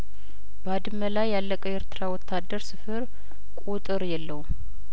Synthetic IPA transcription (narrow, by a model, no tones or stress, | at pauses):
bəad̪ɨməlajːalːəkʼəweɾt̪ʰɨɾawɔt̪ʰːad̪ːəɾsɨfɨɾ | kʼut̪ʼɨɾjɛlːəwu